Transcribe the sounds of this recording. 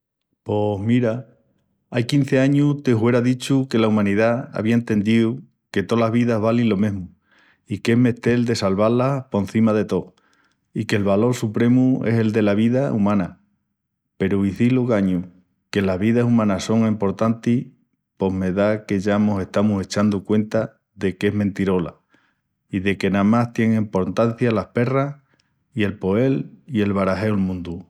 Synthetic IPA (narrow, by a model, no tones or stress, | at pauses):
po̞ɦmiɾa | ajkin̟θe̞aɲuht̪ehwe̞ɾaðit͡ʃuke̞laumãniðaa̰βiaent̪e̞nd̪iu | ke̞t̪o̞laɦβiðaɦβalinlo̞mẽ̞ɦmu | ikemeht̪e̞ld̪e̞salβalapon̟θimaðe̞t̪o̞ | ike̞lβalo̞ɾsupɾe̞mue̞̰se̞ld̪e̞laβ̞iðaumãna | pe̞ɾuiθiloɣaɲu | ke̞laɦβiðasumãnaso̞ŋempo̞ɾt̪ant̪i | po̞ɦme̞ðake̞ʝamose̞ht̪amuse̞t͡ʃand̪ukwe̞nt̪a | ðe̞ke̞ɦmẽnt̪iɾo̞la̰ | iðe̞ke̞namast̪je̞ŋempo̞ɾt̪an̟θjalahpe̞rah | ie̞lpo̞e̞lie̞lβaɾaɦe̞olmũnd̪u